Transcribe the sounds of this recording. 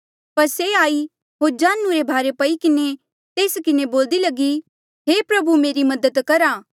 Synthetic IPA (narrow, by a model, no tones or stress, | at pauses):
pɐɾseaːi | ɦoːɾd͡ʒaːnːũɾebʱaːɾepɐikɪne | t̪eːskɪneboːld̪ilɐɡi | ɦeːpɾɐbumeːɾimɐd̪ət̪kɐɾaː